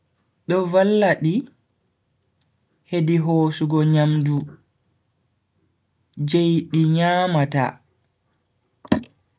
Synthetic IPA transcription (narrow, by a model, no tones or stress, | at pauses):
ɗɔvalːaɗi | hediɦoːsuɡɔɲamdu | d͡ʒejɗiɲaːmata̰